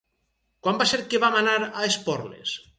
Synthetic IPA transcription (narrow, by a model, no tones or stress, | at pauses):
kwambaseɾkeβamanaɾaespɔɾlḛs